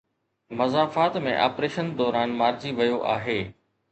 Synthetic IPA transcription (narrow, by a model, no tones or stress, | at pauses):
mɐzaːfaːt̪mẽʔa̰ːpɾeːʃənd̪ɔːɾaːnmaːɾd͡ʑiʋɐjoʔaːɦeː